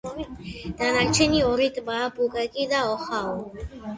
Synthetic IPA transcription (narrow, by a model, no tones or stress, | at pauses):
ɾid̪anakt͡ʃʰeniɔɾit̪bapukakid̪aɔxao